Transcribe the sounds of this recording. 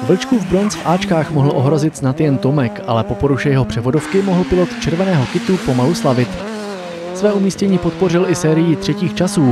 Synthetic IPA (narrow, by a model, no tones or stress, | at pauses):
bl̩t͡ʃkuvbɾo̞nt͡sfʔaːt͡ʃkaːxmo̞ɦl̩ʔo̞ɦɾo̞zɪt̪znat̪jɛnt̪omɛkʔa̰lɛpo̞po̞ɾuʃɛjɛɦo̞pr̝̥ɛvo̞do̞fkɪmo̞ɦl̩pɪlo̞t̪t͡ʃɛɾvɛnɛːɦo̞kɪt̪upo̞maluslavɪt̪ | svɛːumiːscɛɲiːpo̞t̪̚po̞rɪlʔɪsɛːɾɪjɪt̪r̝̥ɛciːxt͡ʃasuː